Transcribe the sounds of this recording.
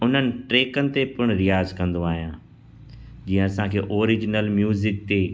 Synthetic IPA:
ʊn̤ənɪ̆ʈɾeːkənɪ̆t̪epʊɽ̃ɾɪjaːzkɐ̃nd̪oaːɦijãː | d͡ʑiːə̃ɐsãkʰeːʔoːɾɪd͡ʑnəlmjuːzɪk̚t̪eː

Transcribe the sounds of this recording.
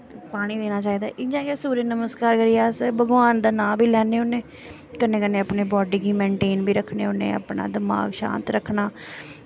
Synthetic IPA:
paːɽ̃iːd̪eːnaːt͡ʃaːiːd̪aːʔɪd͡ʒãːkaːsuːɾeːnəməskaːɾkəɾiːjaːsbəɡʋaːnd̪aːnãːbʱiːlɛːneːʊnẽː | kənːẽːkənẽːəpneːbɔːɖiːkiːmɛ̃ːɳʈeːnbʱiːɾəkʰnḛːʊnːḛːə̰pɳa̰ːd̪ɪma̰ːɡʃã̰ːnt̪ɾəkʰnaː

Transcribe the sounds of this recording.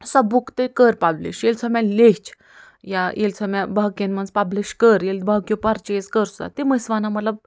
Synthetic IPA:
sabukt̪ekəɾpablḭɕjelt͡sʰəmãlet͡ɕ | jajʔelt͡sʰəmjabakenmənspabliɕkəɾjelbakjopaɾt͡ɕeskəɾsa̰t̪eməsʋanamət̪lab

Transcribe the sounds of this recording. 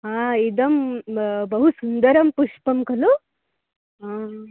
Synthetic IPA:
ɦãid̪əmbəɦusund̪əɾəmpuʂpəmkʰəlo | ɦã

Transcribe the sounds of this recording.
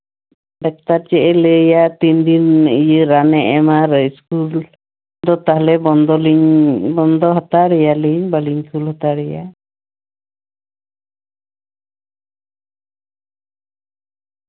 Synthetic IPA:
ɖɛk̚t̪aɾt͡ʃɛʔɛlɛjat̪ind̪inijəɾanɛʔɛmaɾəskul | d̪ɔt̪aɦlɛbɔnd̪ɔliɲbɔnd̪ɔɦat̪aɾɛjaliɲbaliɲkulhat̪aɾɛja̰

